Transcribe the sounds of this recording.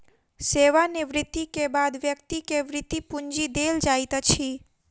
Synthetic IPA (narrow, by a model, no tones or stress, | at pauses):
seːʋanɪʋɾɪt̪ːikebaːd̪ʋjəkt̪ikeʋɾɪt̪ːipʊɲd͡ʒid̪eːld͡ʒaːit̪ət͡ʃʰiː